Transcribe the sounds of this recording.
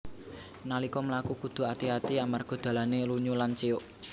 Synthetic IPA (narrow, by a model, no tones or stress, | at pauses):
nalikɔməlakukud̪̥o̤at̪iat̪iamarɡ̥ɔ̤d̪̥ä̤laneluɲulant͡ʃeoʔ